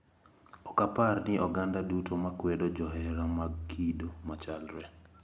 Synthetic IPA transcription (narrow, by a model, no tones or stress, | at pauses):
ɔkaparnɪʔɔɡandadutomakwɛdod͡ʒɔɦɛɾamaɡkʰidomat͡ʃalɾɛ